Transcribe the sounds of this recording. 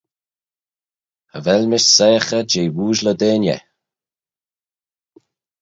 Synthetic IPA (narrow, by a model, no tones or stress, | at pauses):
əvɛlmɪʃsɛjəxəd͡ʒeːwuːʒləd̪eːnjɛ̰